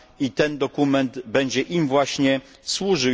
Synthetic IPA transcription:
it̪ɛnd̪ɔkumɛnt̪bɛɲd͡ʑɛʔimvwaɕɲɛ | swuʐɘ

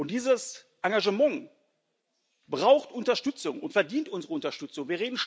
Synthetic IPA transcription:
ʔʊntd̥iːzəs | ʔaŋɡaʒəmaŋ | bʁaʊxtʔʊntɐʃtʏt͡sʊŋʊntfɛɐdiːntʔʊnzəʁəʊntɐʃtʏt͡sʊŋviːɐʁeːdn̩ʃ

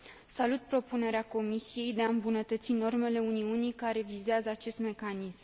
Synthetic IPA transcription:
salut̪̚pɾo̞pune̞ɾeako̞misije̞jd̪e̞aɨmbunət̪ət̪sino̞rme̞le̞uniunijkaɾe̞vizazəat͡ʃe̞st̪me̞kanism

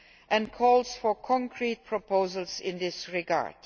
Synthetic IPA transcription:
ʔɛ̃nkʰɔlˠz̥fɔ˞kʰɔ̃ŋkʰɹit̚pʰɹɔpʰoʊzəlˠzɪ̃nðɪsɹɪɡa̰ɹd̥

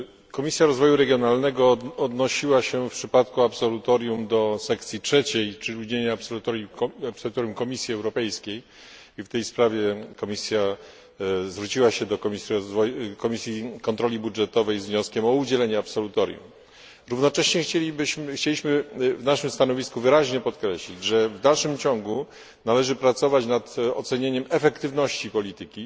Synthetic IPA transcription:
kɔmʲisʲjaɾɔzvɔjuɾɛɡʲjɔnalnɛɡɔɔd̪nɔɕiwaɕɛfpʂɘpat̪kuapsɔlut̪ɔɾʲjumd̪ɔsɛkt̪sʲjitʂɛt͡ɕejt͡ʂɘuɲeɲɛpsɔlut̪ɔɾapsɔlut̪ɔɾjumkɔmʲisʲjiɛwɾɔpɛjskʲej | ift̪ɛjspɾavʲjɛkɔmʲisʲja | zvɾut͡ɕiwaɕɛd̪ɔkmʲisivɔkɔmʲisʲjikɔnt̪ɾɔlʲibudʐɛt̪ɔvɛjzvɲɔskʲɛmɔud͡ʑɛlɛɲɛapsɔlut̪ɔɾʲjṵm | ɾuvnɔt͡ʂɛɕɲɛxeibxt͡ɕelʲiɕmɘvnaʂɘmst̪anɔvʲiskuvɘɾaʑɲɛpɔt̪kɾɛɕlʲid͡ʑʐɛvd̪alʂɘmt͡ɕɔŋɡu | nalɛʐɘpɾat̪sɔvat͡ɕnat̪ɔ̰t̪sɛɲeɲɛmɛfɛkt̪ɘvnɔɕt͡ɕipɔlʲit̪ɘkʲi

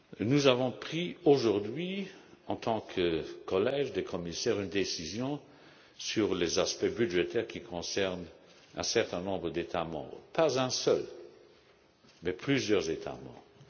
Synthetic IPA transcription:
nuzavɔ̃pχioʒuʁd̪ɥiɑ̃t̪ʰɑ̃kʰəkɔlɛʒd̪ekʰɔmisɛːʁynd̪esizjɔ̃ | syʁlezaspɛbyʒet̪ɛʁkikʰɔ̃sɛʁn | ɛ̰̃sɛʁt̪ɛ̃nɔ̃bʁəd̪et̪ʰamɑ̰̃bʁpʰazɛ̃sœl | mɛpʰlyzjœʁzet̪ʰa̰mɑ̰̃bʁəə

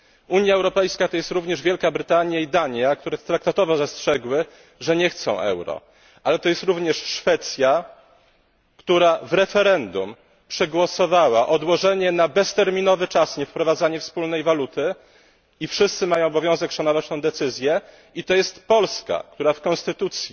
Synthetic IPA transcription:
uɲjaɛwɾɔpɛjskat̪ɔjɛst̪ɾuvɲɛʐvʲjɛlkabɾɘt̪aɲjaid̪aɲjakt̪uɾɛt̪ɾak̚t̪at̪ɔvɔzastʂɛɡwɘ | ʐɛɲɛxt̪sɔ̰̃w̃ʔɛ̰wɾɔ̰ | ʔalɛt̪ɔjɛst̪ɾuvɲɛʂʂfɛt̪sja | kt̪uɾavɾɛfɛɾɛnd̪ṵm | pʂɛɡwɔsɔvawaʔɔd̪wɔʐɛɲɛnabɛst̪ɛɾmʲinɔvɘt͡ʂasɲɛfpɾɔvad̪zaɲɛfspulnɛjvalut̪ɘ | ifʂɘst̪sɘmajɔ̃w̃ɔbɔvʲjɔ̃w̃zɛkʂanɔvat͡ɕt̪ɛ̃w̃d̪ɛt̪sɘzʲjɛ | it̪ɔjɛst̪pɔlska̰kt̪uɾafkɔ̃nst̪ɘt̪ut̪sʲji

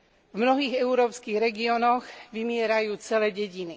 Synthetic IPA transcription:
vmnɔɦiːɣɛuɾɔːpskiːɣɾɛɡiɔnɔɣʋimɪɛɾajuːt͡sɛlɛːɟɛɟini

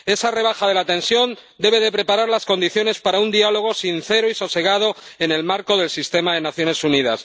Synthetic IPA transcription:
e̞sare̞β̞axaðe̞lat̪e̞nsjo̞nd̪e̞β̞e̞ðe̞pɾe̞paɾaɾlasko̞nd̪iθjo̞ne̞spaɾaund̪ialo̞ɣ̞o̞sin̟θe̞ɾoiso̞se̞ɣað̞o̞e̞ne̞lmaɾko̞ðe̞lsist̪e̞maðe̞naθjo̞ne̞suniða̰s

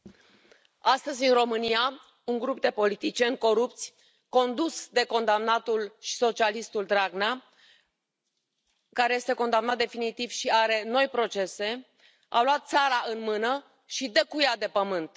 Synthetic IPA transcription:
ast̪əzʲɨnɾo̞mɨnija | uŋɡɾup̚d̪e̞po̞lit̪it͡ʃie̞nko̞ɾup̚t̪sʲ | ko̞nd̪usd̪e̞ko̞nd̪amnat̪ulʃi̥so̞t͡ʃialist̪uld̪ɾaɡna | kaɾeje̞st̪e̞ko̞nd̪amnat̪̚d̪e̞finit̪iv̥ʃiaɾe̞no̞jpɾo̞t͡ʃe̞se̞ | a̰luat̪̚t̪saɾaɨnmɨnə | ʃid̪əkujad̪e̞pəmɨnt̪

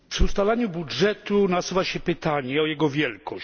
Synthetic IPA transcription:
pʂɘust̪alaɲubudʐɛt̪unasuvaɕɛpɘt̪aɲɛɔjɛɡɔvʲjɛlkɔɕ

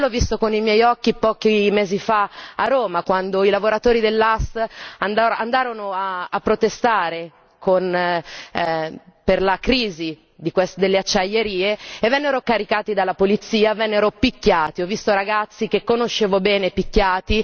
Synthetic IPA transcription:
lɔvːist̪okonimjɛjɔkːipɔːkimeːzifaarːoːmakwand̪oilavoɾat̪oːɾid̪elːast̪and̪aɾand̪aːɾonoaːpːɾot̪est̪aːɾe | kon | perlakɾiːzi | d̪ikwesd̪elːeat͡ʃːajːeɾiːeevːɛnːeɾokaɾikaːt̪id̪alːapolit̪sːiːavɛnːeɾopikʲːaːt̪iɔvːist̪oɾaɡat̪sːik̟ekːonoʃːeːvobɛːnepikːaːt̪i

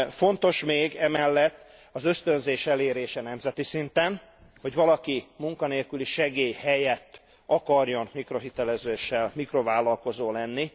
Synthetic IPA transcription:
fo̞nt̪o̞ʃmeːɡɛmɛlːɛt̪ː | ɒzøst̪ø̞nzeːʃɛleːɾeːʃɛnɛmzɛt̪isint̪ɛn | ho̞ɟvɒlɒkimuŋkɒneːlkyliʃɛɡeːjhɛjɛt̪ː | ɒkɒrjo̞nmikro̞ɦit̪ɛlɛzøːʃːɛlmikro̞vaːlɒlko̞zoːlɛnːi

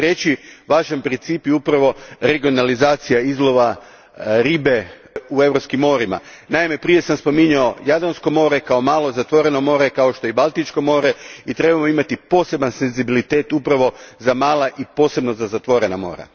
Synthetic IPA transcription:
t̪ɾe̞t͡ɕiʋaːʒanpɾint̪siːpjeupɾaʋo̞ɾe̞ɡio̞nalizaːt̪sijaizlˠo̞ʋa | ɾiːbe | ue̞ʋɾopskimːo̞ɾima̰ | naime̞pɾije̞samspo̞miɲao̞jad̪ɾansko̞mo̞ɾe̞kao̞maːlˠo̞zat̪ʋo̞ɾe̞no̞mo̞ːɾe̞kaoʃt̪o̞jibalˠt̪it͡ʃko̞mo̞ːɾe̞it̪ɾe̞bamo̞imat̪ipo̞ːse̞banse̞nzibilit̪e̞ːt̪upɾaʋo̞zamaːlˠaʔipo̞ːse̞bno̞zazat̪ʋo̞ɾe̞namo̞̰ːɾa̰

